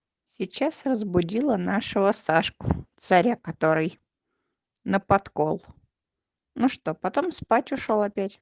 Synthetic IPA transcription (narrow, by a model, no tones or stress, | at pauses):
sʲɪt͡ɕasrəzbʊdʲilˠənaʂɨvəsaʂkʊ̥t̪sɐɾʲakɐt̪o̞ɾɨj | nəpɐt̪ko̞lˠ | nuʂt̪o̞pɐt̪omspatʲʊʂolˠɐpʲætʲ